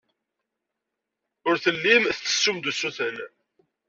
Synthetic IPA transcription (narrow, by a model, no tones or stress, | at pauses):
ʊɾθəlːimθt͡sːə̥sːumd̪usːuθən